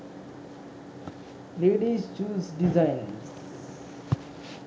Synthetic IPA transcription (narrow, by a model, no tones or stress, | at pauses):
leːɖizt͡ʃuːzɖizaɪnz